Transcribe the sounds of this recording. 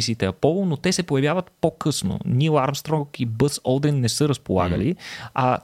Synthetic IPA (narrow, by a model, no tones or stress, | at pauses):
isiːt̪ɛɐpɔlˠʊnot̪ɛsɛpojɐvjavət̪pokɤsno̰nʲilˠaɾmst̪ɾɔkibɤsɔlˠd̪ɛnːɛsɤɾəspolˠa̰ɡə̰liɐ